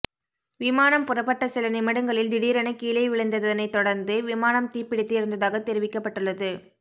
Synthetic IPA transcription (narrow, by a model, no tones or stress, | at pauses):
ʋɪmaːnɐmpʊrɐpːɐʈːɐsɪlɐnɪmɐɽɯŋɡɐɭɪld̪ɪɽiːɾɐɳɐkiːlɐɪʋɪɭɐnd̪ɐðɐðɐnɐɪt̪ːɔɽɐɾnd̪ɯʋɪmaːnɐmt̪iːɾpɪɽɪt̪ːɯɪɾɯnd̪ɐðaːɣɐt̪ɛɾɪʋɪkːɐpːɐʈːɯɭːɐðɯ